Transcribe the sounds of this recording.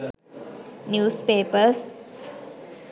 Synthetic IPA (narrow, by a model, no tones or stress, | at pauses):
njuːspeːpəs